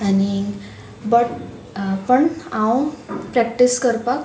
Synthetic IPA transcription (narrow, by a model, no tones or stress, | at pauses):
ani | bəʈ | pəɳãwpɾɛk̚ʈiskəɾpak